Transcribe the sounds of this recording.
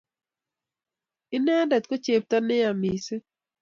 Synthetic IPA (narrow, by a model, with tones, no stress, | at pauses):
ɪ˦nɛ˦dɛ˨tko˦t͡ʃe˨p̚ta˦nɪ˦a˨mi˨se˦